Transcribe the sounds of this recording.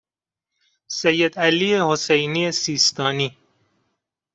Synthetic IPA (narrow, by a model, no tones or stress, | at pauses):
sejːed̪æliehosejniːesiːst̪ɒːniː